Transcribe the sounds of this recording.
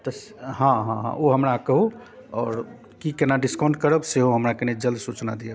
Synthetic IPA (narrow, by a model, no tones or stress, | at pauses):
t̪əs | ɦãɦãɦã̰ʔoɦəmɾakəɦu | ɔːɾ | kikenaɖiskɔ̃ɳɖkəɾəbseɦoɦəmɾakened͡ʒəld̪sut͡ʃnad̪ijə